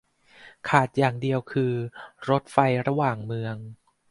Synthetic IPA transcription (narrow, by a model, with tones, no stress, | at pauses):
kʰaː˨˩t̪̚jaː˨˩ŋdi˧əwkʰɯː˧ɾo˦˥t̪̚fa˧jɾa˧waː˨˩ŋmɯ˧əŋ